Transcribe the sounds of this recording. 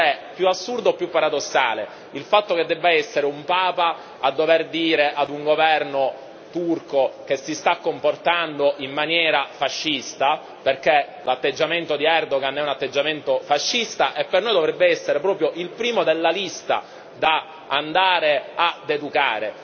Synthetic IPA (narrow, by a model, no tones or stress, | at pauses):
ɛpːjuasːurd̪oepːjupːaɾad̪osːa̰ːle | ilfat̪ːoked̪ːɛbːaɛsːeɾeumpaːpa | ad̪ːoverd̪iːɾeʔad̪uŋɡovɛrno | t̪urkokesːist̪akːomport̪and̪oʔimːanjɛːɾafaʃːist̪a | perke | lat̪ːed͡ʒːament̪od̪iɛrd̪oɡanɛunat̪ːed͡ʒːament̪ofaʃːist̪aʔepːernojd̪ovɾɛbːeɛsːeɾepɾɔːpɾjoʔilpɾiːmod̪elːalist̪a̰ | d̪a | and̪aːɾead̪ed̪uka̰ːɾe